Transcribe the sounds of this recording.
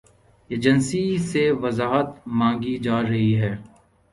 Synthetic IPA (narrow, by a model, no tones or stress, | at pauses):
eːd͡ʒənsiseʋɐzaːɦət̪mãːŋɡid͡ʒaːɾɐɦiɦɛː